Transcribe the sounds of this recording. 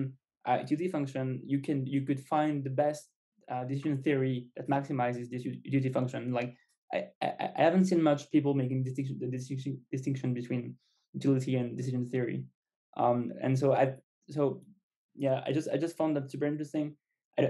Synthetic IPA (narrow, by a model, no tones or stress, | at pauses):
n | ʔʌ̰djʉɾifʌ̃ŋkʃɨ̃njɨkʰɨ̃njɨkɨd̥fãɪ̃nðɨbɛst̚ | ʌdɨsɪʒɨ̃nθiə˞iðɨt̚mæksɨmaɪzɨzdɪsdʉɾifʌ̃ŋkʃɨ̃nlaɪk̚ | ʔaɪaʔaɪʔa̰ɪhævɨ̃n̩tsĩnmʌt͡ʃpʰipl̩ˠmeɪkɪ̃ŋdɨstɪ̃ʃðɨdɨsɪ̃d̥ɨstɪ̃ŋkʃɨ̃nbɨtʰw̥ĩn | ɨtʰɪlˠɨɾiɨ̃ndɨs̬ɪʒɨ̃nθɪəɹḭ | ʔʌ̰̃mɨ̰̃ns̬oʊaɪ | soʊ | jæa̰ɪd͡ʒʌstaɪd͡ʒʌstfãʊ̃nðætsʉpə˞ɪ̃ntɹ̥ɨstɪ̃ŋ | ʔaɪ